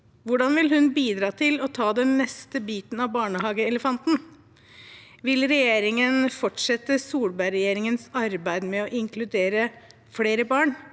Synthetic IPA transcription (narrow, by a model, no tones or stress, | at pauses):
ʋʊɖɑnʋɪlɦʉnbiːd̪ɾɑːt̪ʰɪlɔt̪ʰɑːd̪ɛnːɛst̪əbiːt̪nɑʋbɑːɳəhɑːɡəɛləfɑnt̪n | ʋɪlɾɛjeːɾɪŋənfɔʈʂɛt̪ːəsuːlbæɪɾɛjeːɾɪŋənsɑɾbæɪd̪mɛɔʔɪŋkʰlʉd̪eːɾə | fleːɾəbɑːɳ